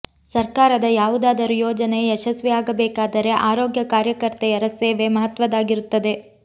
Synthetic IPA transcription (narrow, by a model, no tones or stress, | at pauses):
sɐɾkaːɾɐd̪ɐjaːʋud̪aːd̪ɐɾujoːd͡ʒɐne̞ɛʃɐsʋijaːɡɐbɛːkaːd̪ɐɾe̞ʔaːɾoːɡjɐkaːɾjɐkɐɾt̪ejɐɾɐseːʋe̞mɐɦɐt̪ʋɐd̪aːɡiɾut̪ːɐd̪e̞